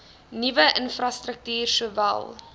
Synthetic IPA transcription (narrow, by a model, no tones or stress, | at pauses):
nivəʔənfrɐstrək̚tyːrsuəvæ̰lˠ